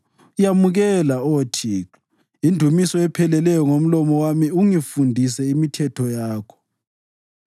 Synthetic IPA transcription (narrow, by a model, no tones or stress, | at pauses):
ujamuɣɛlaotʰiǁa | indʱumisɔɛpʰɛlɛlɛjɔŋom̩lɔmɔwamiuŋifundʱisɛimitʰɛtʰɔjaːkʰɔ̥